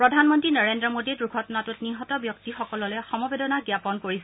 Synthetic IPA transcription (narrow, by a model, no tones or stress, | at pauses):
pɹɔdʱanmɔntɹinɔɹendɹɔmodidɹuɡʰɔtɔnatʊtniɦɔtɔbjɔktixɔkɔlɔlɛxɔmɔbedɔnaɡjapɔnkoɹisɛ